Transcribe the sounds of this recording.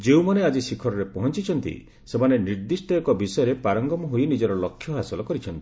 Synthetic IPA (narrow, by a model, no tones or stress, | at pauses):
d͡ʒeumanead͡ʒisikʰɔɾɔɾepɔɦɔnt͡ʃit͡ʃʰɔnt̪ḭ | semaneniɾd̪isʈɔekɔbisɔjɔɾepaɾɔŋɡɔmɔɦoinid͡ʒɔɾɔlɔkʰːjɔɦasɔlɔkɔɾit͡ʃʰɔnt̪i̥